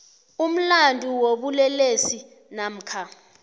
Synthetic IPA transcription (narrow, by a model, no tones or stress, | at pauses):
um̩landʱʼuwoɓulɛlesi | nam̩ːkʰa